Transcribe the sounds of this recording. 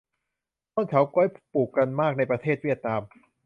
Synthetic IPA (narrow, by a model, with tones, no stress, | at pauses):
t̪ɔː˥˩nkʰa˨˦˥wkɔ˧˥˩jpuː˨˩kːa˧nmaː˥˩k̚na˧jpɾa˧t̪ʰeː˥˩t̪̚wi˥˩ət̪̚naː˧m